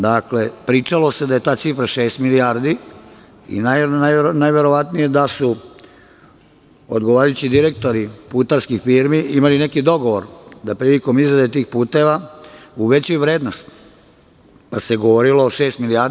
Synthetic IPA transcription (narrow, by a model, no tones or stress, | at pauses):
d̪akle̞pɾiːt͡ʃalo̞sed̪aje̞t̪aːt̪sifɾaʃeːst̪miliaɾd̪i | ḭnanajnajʋe̞ɾo̞ʋat̪nije̞d̪asu | od̪ɡoʋaːɾajut͡ɕid̪iɾe̞k̚t̪o̞ɾipuːt̪aɾskixfiɾmiimaline̞kid̪o̞ɡoʋoɾd̪apɾiliko̞mizɾad̪et̪iːxpuːt̪e̞ʋauʋe̞t͡ɕujuʋɾeːd̪no̞st̪ | paseɡoʋoɾiloːʃeːst̪milijaɾd̪